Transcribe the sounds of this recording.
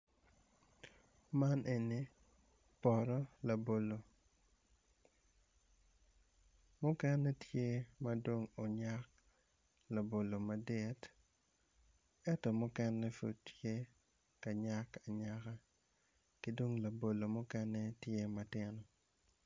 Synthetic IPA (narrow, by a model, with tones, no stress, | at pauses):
ma˦nʔe˨ni˨ | pɔ˨ɾɔ˦la˨bo˨lo˨ | mʊ˦kɛ˦nɛ˦tje˦ma˦dwo˦ŋo˨ɲa˦k̚ | la˨bo˨lo˨ma˨de˦t | ɛ˦tɔ˨mʊ˦kɛ˦nɛ˦fṵ˨ttje˦ | ka˨ɲa˦ka˨ɲa˦ka˦ | kɪ˦dwo˦ŋla˨bo˨lo˨mʊ˦kɛ˦nɛ˦tje˦ma˨tɪ˦nɔ˨